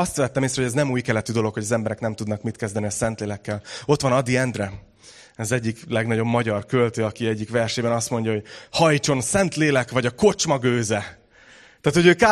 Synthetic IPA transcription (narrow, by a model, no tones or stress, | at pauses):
ɒst̪vɛt̪ːɛmeːsɾɛhoɟɛznɛmuːjkɛlɛt̪yd̪o̞lo̞kho̞ɟɒzɛmbɛɾɛknɛmt̪ud̪nɒkmit̪kɛzd̪ɛniɒsɛnt̪leːlɛkːɛlo̞t̪ʋɒnɒd̪iɛnd̪rɛ | ɛzɛɟːiklɛɡnɒɟo̞bːɒɟɒrkølt̪øːɒkiɛɟːikʋɛrʃeːbɛnɒst̪mo̞ɲɟɒɦo̞ɟhɒjt͡ʃo̞nsɛnt̪leːlɛkʋɒɟɒko̞t͡ʃmɒɡøːzɛ | t̪aːt̪ho̞ɟøːka